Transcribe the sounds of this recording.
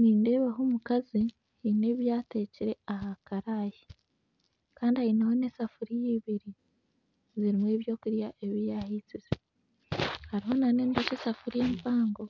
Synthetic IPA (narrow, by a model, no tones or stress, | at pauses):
niːnde̞ːβaɦoːmukazi | hine̞ːβjaːte̞ːciɾe̞ahakaɾaːji | kaːndihainaho̞ne̞ːsafuɾijiːβiɾi | ziɾimwe̞ːβjo̞ːkuɾjaʔe̞βijahit͡size | haɾiɦo̞naneːntecesafuɾijeːmpaːŋɡo̞